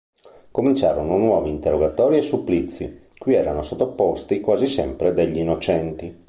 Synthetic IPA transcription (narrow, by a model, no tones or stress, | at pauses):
komint͡ʃa̰ːɾononwɔːviːnt̪erːoɡat̪ɔːɾiesːupːlit̪sːi | kuiɛːɾanosot̪ːopːost̪ikwaːzisɛmpɾed̪eʎːinːot͡ʃɛnt̪i